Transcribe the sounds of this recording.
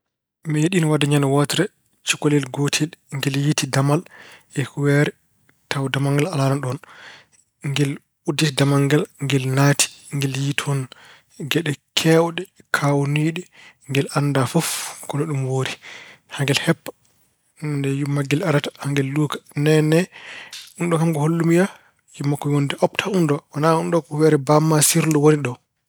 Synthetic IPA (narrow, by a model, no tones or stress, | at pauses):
meɗinwadaɲanawɔtɾɛ | t͡ʃukɔlɛlɡotʰilŋɡɛljitidamalɛhuwɛɾɛ | tʰawdamaŋɡalalananɗɔn | ŋɡɛl | udːitidamaŋɡalŋɡɛlnati̥ŋɡɛljitʰɔn | ɡɛɗɛkʰɛwɗɛ | kʰawniɗi | ŋɡɛlʔandafofkɔnɔɗumwoɾihaŋɡɛlhɛpːḁ | ndɛjumːaɡːɛlaɾatḁhaŋɡɛlːuːkḁnɛnɛ | unɗɔkamɡɔholːumija | jumːakːɔwondɛʔɔptʰaundɔwanaunɗɔkɔwɛɾɛbamːasiɾlɔwoniɗɔ